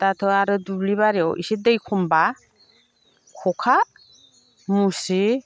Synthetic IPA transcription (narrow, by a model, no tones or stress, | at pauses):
tatʰɯaɾɯdubliβaɾeɔwḭsidɯjkʰɔmba | kʰɔkʰa | musi